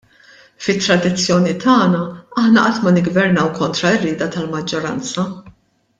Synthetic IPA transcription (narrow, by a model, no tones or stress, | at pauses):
fɪt̪ːɾɐd̪ɪt͡sːjɔːnit̪ʰɐːnɐɐħnɐʔɐt̪mɐnɪɡvɛɾnɐwkɔnt̪ɾɐɪrːɪːd̪ɐt̪ɐlmɐd͡ʒːɔɾɐnt͡sɐ